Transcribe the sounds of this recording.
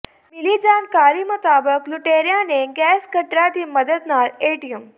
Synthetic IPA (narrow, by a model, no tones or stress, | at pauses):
milid͡zankaɾiːmət̪abəkluʈeɾjaneɡɛskəʈɾat̪iːməd̪əd̪naleʈijum